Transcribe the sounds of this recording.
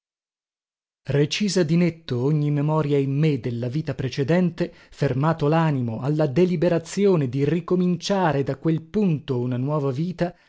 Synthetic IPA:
ret͡ʃiːzad̪inet̪ːooɲːimːemɔːɾjaimːed̪elːaviːt̪apɾet͡ʃed̪ɛnt̪efermaːt̪olaːnimoalːad̪elibeɾat̪sːjoːned̪irikomint͡ʃaːɾed̪akwelpunt̪ounanwɔːvaviːt̪a

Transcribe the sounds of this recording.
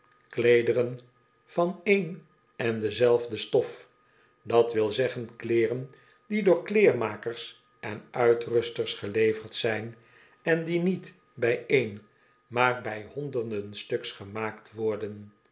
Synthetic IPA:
klejdərən | v̥ɑnejn | ɛndəzɛlˠvdəstɔf | dɑtʋɪlˠzɛχənklɪːrən | didʊːɹklɪːrmaːkərs | ʔɛnʔœɥtrɵstəɹsχəlejvəɹtsɛjn | ɛndinit | bɛjejn | maːrbɛjɦɔndərdənstɵksχəmaːktʋɔɹdən

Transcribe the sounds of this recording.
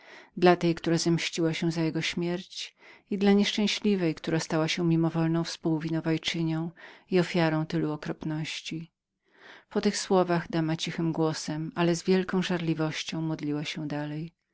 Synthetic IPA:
d̪lat̪ɛjkt̪uɾazamɕt͡ɕiwaɕɛzajɛɡɔɕmʲjɛɾt͡ɕid̪laɲɛʂt͡ʂɛ̃w̃ɕlʲivɛjkt̪uɾast̪awaɕɛmʲimɔvɔlnɔ̃w̃fspuwvʲinɔvajt͡ʂɘɲɔ̃w̃iɔfʲjaɾɔ̃w̃t̪ɘluɔkɾɔpnɔɕt͡ɕi | pɔt̪ɘxswɔvaɣd̪amat͡ɕixɘmɡwɔsɛmalɛzvʲjɛlkɔ̃w̃ʐaɾlʲivɔɕt͡ɕɔ̃w̃mɔd̪lʲiwaɕɛd̪alɛj

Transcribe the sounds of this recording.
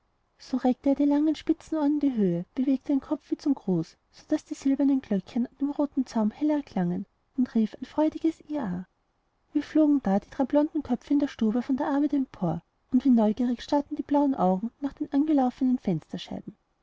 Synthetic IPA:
soʁɛk̚təeːɐdilaŋənʃpɪt͡sn̩ɔɐdn̩diːɦøːəb̥əveːk̚tədeːnkʰɔp͡fv̥iːt͡sʊmɡʁoːsːod̥asd̥iːz̥ɪlbɐnənɡ̥lœkçənand̥eːmʁoːtn̩t͡saʊmhɛlɐkʰl̥aŋən | ʊntʁ̥iːfaɪnfʁ̥ɔʏdɪɡ̥əsiːaː | viːɐfloːɡŋ̩d̥aːd̥iːd̥ʁaɪblɔndn̩kʰœp͡fəɪndeːɐʃtuːbəfɔndeːɐʔaɐbæɪtɛmpʰoːɐ | ʊntv̥iːnɔʏɡiːʁɪçʃtatn̩d̥iːb̥laʊənʔaʊɡŋ̩naːχd̥eːmʔanɡəlaʊfənənfɛnstɐʃa̰ɪb̥̚m̩

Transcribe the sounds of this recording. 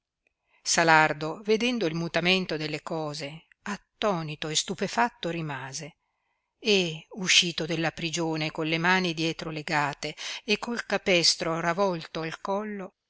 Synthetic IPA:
salard̪oved̪ɛnd̪oilmut̪ament̪od̪elːekɔːze | at̪ːɔːnit̪oest̪upefat̪ːoɾimaːze | euʃːiːt̪od̪elːapɾid͡ʒoːnekonlːemaːnid̪jɛːt̪ɾoleɡaːt̪eːkʰːolkapɛst̪ɾoravɔlt̪oalkɔlːo

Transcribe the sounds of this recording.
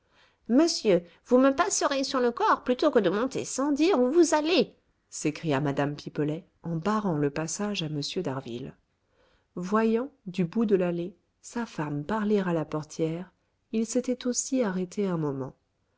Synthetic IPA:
məsjø | vuməpasəʁesyʁləkɔʁplyt̪okəd̪əmɔ̃t̪ḛsɑ̃d̪iʁuvuzale | sekχijamad̪ampipəlɛ | ɑ̃baʁɑ̃ləpasaʒaməsjød̪aʁvḭl | vwajɑ̃d̪ybud̪əlale | safampaʁleʁalapɔʁt̪jɛʁ | ilset̪ɛt̪osiaʁet̪ʰeɛ̃mɔmɑ̰̃

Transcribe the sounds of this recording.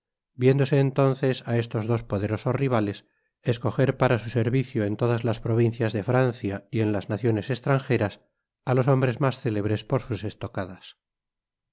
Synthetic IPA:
bje̞nd̪o̞se̞ːnt̪o̞nθe̞sae̞st̪o̞zðo̞spo̞ðe̞ɾo̞so̞sriβale̞s | e̞sko̞xe̞ɾpaɾasuse̞ɾβiθjoe̞nt̪o̞ðazlaspɾo̞β̞in̟θjazðe̞fɾanθjaie̞nlaznaθjo̞ne̞se̞st̪ɾaŋxe̞ɾas | alo̞so̞mbɾe̞zmasθe̞le̞β̞ɾe̞spo̞ɾsuse̞st̪o̞kaðas

